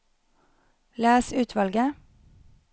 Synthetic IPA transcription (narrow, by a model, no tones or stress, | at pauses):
læːsʉːt̪ʰʋɑlɡə